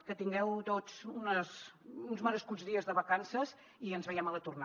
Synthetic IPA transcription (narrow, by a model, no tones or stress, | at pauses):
kət̪iŋɡɛwt̪ot͡sunəsunzməɾəskuzðiəzðəβəkansəz | iənzβəjɛmələt̪urna